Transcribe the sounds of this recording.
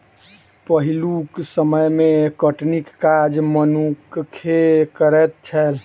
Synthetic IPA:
pəɦiluksəməjmekəʈnikːad͡ʒmənukkʰekəɾɛt̪̚t͡ʃʰɛl

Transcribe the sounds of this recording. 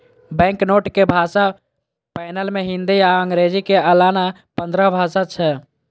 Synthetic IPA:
bɛ̃ŋknoʈkebʱasa | pajnəlmeɦind̪iaəŋɡɾed͡ʒikeəlana | pənd̪ɾəbʱasat͡ʃʰɛ

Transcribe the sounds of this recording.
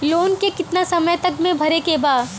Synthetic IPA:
loːnkekɪt̪nasɐməjt̪ɐkmẽbʱɐɾekebaːd̪

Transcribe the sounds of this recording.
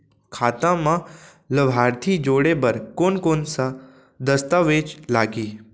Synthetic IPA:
kʰaːt̪ãmã | ləbʱaːɾt̪ʰid͡ʒoːɽebəɾkoːnkoːnsa | d̪əst̪aʋeːt͡ʃlaːɡiː

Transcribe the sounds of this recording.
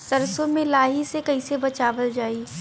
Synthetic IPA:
sɐɾsõmẽlaːɦisekɐisebɐt͡ʃaːʋəld͡ʒaːiː

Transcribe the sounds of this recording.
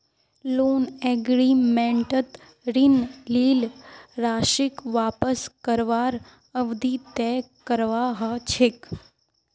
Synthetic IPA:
loːneɡɾimẽɳʈət̪ | ɾinliːlɾaːʃɪkʋaːpəskəɾʋaːɾ | əʋd̪ʱit̪ɛkəɾʋaɦət͡ʃʰek

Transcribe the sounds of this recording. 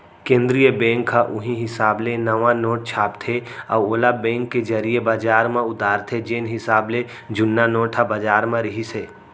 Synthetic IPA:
kẽːnd̪ɾijəbɛ̃ːŋkʰːaʔʊɦĩɦɪsaːblenəʋãnoːʈ̚t͡ʃʰaːpt̪ʰeɔ̰ːoːlabɛ̃ːŋkːed͡ʒəɾijebaːd͡ʒaːɾmẽʊd̪aːɾt̪ʰed͡ʒeːnɦɪsaːble | d͡ʒʊnːanoːʈʰabad͡ʒaːɾmẽɾɪɦiseː

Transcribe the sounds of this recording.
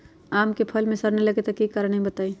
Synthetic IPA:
aːmkepʰəlmẽsɐɾnelɐɡet̪ɐkːikaːɾəɽ̃əɦĩbət̪aːi

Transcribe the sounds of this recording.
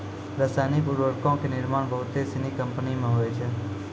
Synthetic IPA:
ɾəsaːnɪkʊɾʋəɾkõːkʰeːnɪɾmaːɳbəɦʊt̪ːeːsɪniːkəmpənimẽːɦoːeːt͡ʃʰeː

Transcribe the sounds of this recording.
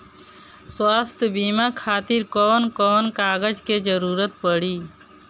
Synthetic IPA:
swaːst̪ʰjəbimakʰaːt̪iɾkɔːnkɔːnkaːɡəd͡ʒked͡ʒəɾuːɾət̪̚pəɽiː

